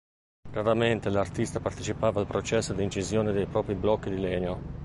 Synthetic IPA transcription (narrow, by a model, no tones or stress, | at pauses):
raɾament̪elart̪ist̪apart̪et͡ʃipaːvalpɾot͡ʃɛsːod̪iːnt͡ʃizjoːned̪ejpɾɔːpɾiblɔkːid̪ilɛːɲo